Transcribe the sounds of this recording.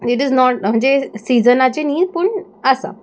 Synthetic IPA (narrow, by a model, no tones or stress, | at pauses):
iʈiznɔʈm̤əɳd͡zesiːd͡zənat͡ɕeniːd̪pəɳ | əsa̰